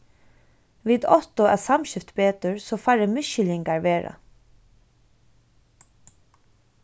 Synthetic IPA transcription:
ʋiːd̪ɔht̪ʊɛ̰samɕɪft̪beːt̪əɹsɔːfaɹəmʏʃɪlɪŋkaɹʋeːɹa̰

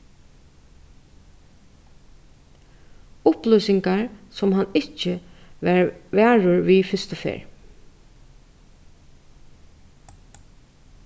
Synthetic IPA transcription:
ʊplœsɪŋkaɹsɔmɦanɪt͡ʃə | ʋæːɹʊɹʋiːfɪst̪ʊfḛːɹ

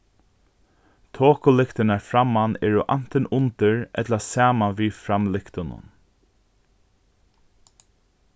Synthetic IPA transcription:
t̪ʰoːkʊlɪkt̪ɪnaɹfɾamːanɛːɹʊʔan̥t̪ɪnʊnt̪ɪɹɛt̪lasaːmanʋiːfɾamlɪkt̪ʊnʊ̰n

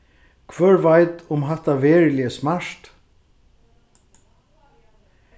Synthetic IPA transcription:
kʰvœːɹvajt̪ʊmɦɛht̪ːavɛːɹɪlɪəsmaʂt̪

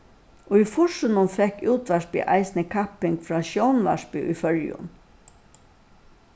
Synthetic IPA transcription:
ɔifʊʂɪnʊnfɛhkːuːt̪ʋaʂpɪ̰ʔa̰jsnɪkʰapːɪŋkfɹaːʃjɔwnʋa̰ʂpɪʔʊ̰jfœɹjʊ̰n

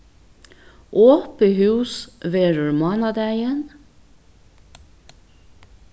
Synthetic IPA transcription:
ʔoːpəhʉːsʋeːɹʉɹmɑːnɑd̪æɪən

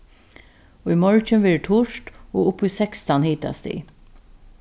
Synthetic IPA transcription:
oːimɔɹt͡ʃənʋeːɹʈʰʊʃto̰ːʊpːusɛkst̪ɑnhiːt̪a̰st̪ḭː

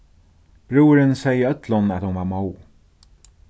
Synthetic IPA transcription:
b̥ɾuːɾɪnsɛjəœt̪lʊnæt̪hʊnvaːɾmoːw

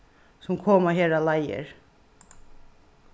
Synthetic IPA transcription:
sʊmkʰoːmaɦɛːɾalajə̰ɹ

